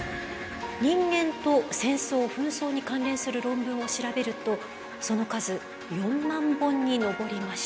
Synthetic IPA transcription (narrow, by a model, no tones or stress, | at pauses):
ɲ̟ĩŋɡẽ̞nt̪o̞sẽ̞ɰ̃so̞ːɸɯ̟̃ɰ̃so̞ːɲ̟ikãnɾẽ̞ɰ̃sɨɾɯ̟ɾõ̞mbɯ̟̃ɰ̃o̞ɕiɾabe̞ɾɯ̟t̪o̞ | so̞no̞kazɨ | jõ̞mːãmbõ̞ɲ̟ːino̞bo̞ɾʲimaɕi̥